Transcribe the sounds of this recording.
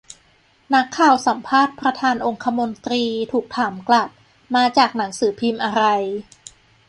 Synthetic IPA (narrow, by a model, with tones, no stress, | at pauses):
na˦˥kʰːaː˨˩wsa˩˦mpʰaː˥˩t̪̚pɾa˧t̪ʰaː˧nʔo˧ŋkʰa˧mo˧nt̪ɾiː˧t̪ʰuː˨˩k̚t̪ʰaː˩˦mkla˨˩t̪̚ | maː˧t͡ɕaː˨˩k̚na˩˦ŋsɯː˩˦pʰi˧mʔa˧ɾa˧j